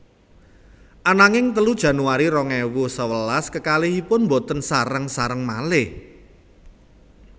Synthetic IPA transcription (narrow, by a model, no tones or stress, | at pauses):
ʔanaŋɪŋt̪əlud̥ʒ̥ä̤nuaɾiɾɔŋɛwʊsəwəlaskəkalɪhipʊnmbot̪ənsaɾəŋsaɾəŋmalɪh